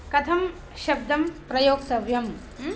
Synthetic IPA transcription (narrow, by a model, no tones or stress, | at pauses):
kɐt̪ʰɐm | ʃɐb̚d̪ʱɐmpɾɐjoːɡsɐʋjɐm